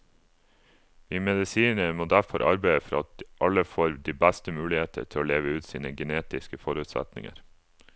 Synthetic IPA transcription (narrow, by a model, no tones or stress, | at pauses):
ʋiːmɛd̪ɪsiːnəmoːd̪æɾfɔɾʔɑ̰ɾbæɪəfɔɾɑt̪̚ʔɑləfoːɾd̪iːbæst̪əmʉːlɪheːt̪ʰə̰t̪ʰɪloːleːʋəʉːt̪siːnəɡɛneːt̪ɪskəfɔɾʉːt̪sæ̰t̪nɪ̰ŋə̰ɾ